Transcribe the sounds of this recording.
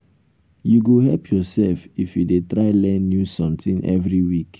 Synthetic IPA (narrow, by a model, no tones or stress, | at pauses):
juɡoɦɛlpʰjɔsɛlfifjudetɹaɪlɛ̃nːjusɔ̃mtĩnʔɛ̰vɹiwik